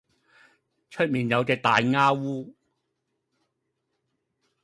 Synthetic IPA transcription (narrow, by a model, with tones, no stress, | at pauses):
t͡ʃʰɵ˥t̚miː˨njɐ˨˧wt͡sɛː˧k̚t̪aː˨jŋaː˥wuː˥